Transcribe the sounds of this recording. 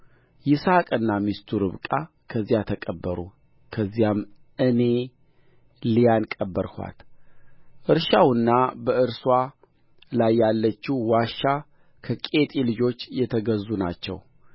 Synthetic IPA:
jɪsakʼɨnːamist̪ʰuɾɨβkʼa | kʰəzːijat̪ʰəkʼəbːəɾṵ | kʰəzːijam | ʔɨne̞ | lijankʼəbːəɾhʷa̰t̪ | ʔɨɾʃawɨnːabəʔɨɾswa | lajːalːət͡ʃːiwaʃːa | kʰəkʼe̞t̪ʼilɨd͡ʒo̞t͡ʃːjɛt̪ʰəɡəzːuna̰t͡ʃːɛ̰w

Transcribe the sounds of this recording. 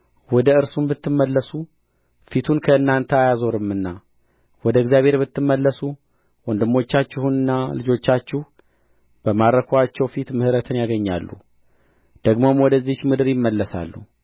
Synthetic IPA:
wɔd̪əɨɾsunbɨt̪ːɨmːəlːəsu | fit̪ʰunkʰəɨnːant̪ʰəajazo̞ɾɨmːɨnːa | wɔd̪əɡzjaβhe̞ɾbɨt̪ːɨmːəlːəsu | wɔnd̪ɨmːo̞t͡ʃːat͡ʃːɪhunɨnːalɨd͡ʒo̞t͡ʃːat͡ʃːuh | b̥əmaɾɾəkʰoat͡ʃːɛwfit̪mɨhɨɾət̪ʰɨnjaɡəɲːa̰lːṵ | d̪̥əɡmo̞mwɔd̪əzːit͡ʃːmɨd̪ɨɾjɪmːəlːəsa̰lːṵ

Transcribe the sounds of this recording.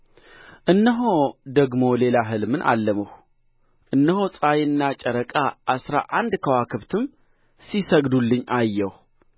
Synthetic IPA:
ʔɨnːəɦod̪əɡmo̞le̞laɦɨlmɨnʔa̰lːəməw | ʔɨnːəhosʼajɨnːat͡ʃʼəɾəkʼaʔasɾa̰ʔand̪kʰəwakʰɨβt̪ʰɨm | sisəɡd̪ulːɨɲːajːɛw

